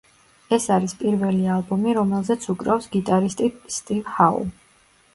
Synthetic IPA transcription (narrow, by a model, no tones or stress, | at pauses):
ɛsaɾispʼiɾvɛlialˠbɔmiɾɔmɛlˠzɛt̪sʰukʼɾafsɡit̪ʼaɾist̪ʼist̪ʼivhaṵ